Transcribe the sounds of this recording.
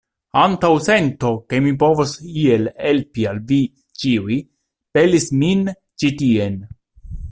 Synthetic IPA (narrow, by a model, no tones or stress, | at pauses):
antawse̞nto̞ke̞mip̬o̞vosielhelpialvi | t͡ʃiui | pelismin | t͡ʃitie̞n